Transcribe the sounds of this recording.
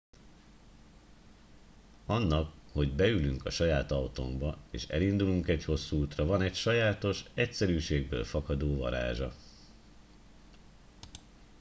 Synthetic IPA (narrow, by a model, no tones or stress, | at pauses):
ɒnːɒkho̞ɟbɛylyŋkɒʃɒjaːt̪ɒwt̪o̰ŋbɒḛːʃɛ̰lind̪uluŋkɛcho̞sːuuːt̪rɒvɒnɛcʃɒjaːt̪o̞ʃɛcsɛɾyːʃeːɡ̚bø̰ːlfɒkɒd̪oːvɒ̰ɾa̰ːʒɒ